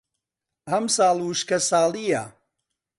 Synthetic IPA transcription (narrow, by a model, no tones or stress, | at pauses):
hɐmsɑːlˠwuʃkɐsaːlˠija̰